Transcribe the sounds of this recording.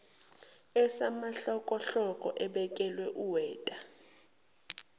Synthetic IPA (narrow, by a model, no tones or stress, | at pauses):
ɛsamaɬɔkʼɔɬɔkʼɔʔɛɓɛk̬ʼɛlwɛʔuwɛːtʼa